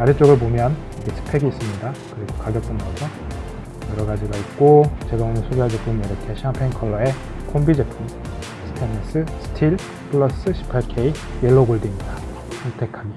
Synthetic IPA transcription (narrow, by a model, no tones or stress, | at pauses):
aɾɯt͡ɕ͈oɡɯɭp̬omjʌn | ʌkʰetʰɯ̥pʰe̞ɡiis͈ɯmɲidakɯɾiɡokaɡjʌk̚t͈enɡʌsʰʌ | jʌɾʌɡad͡ʑiɡait̚k͈ot͡ɕe̞ɡaonɯnsʰoɡjaɭd͡ʑe̞pʰumiɾʌkʰe̞ɕʰiampʰeŋkʰʌɭːʌe̞ | kʰombid͡ʑe̞pʰum | sʰɯ̥tʰenes͈ʰɯsʰɯ̥tʰiɭ | pʰɯɭːʌs͈ɯɕʰi̥pʰakʰei | jeɭːoɡoɭdimɲida | sʰʌŋtʰe̞kʰam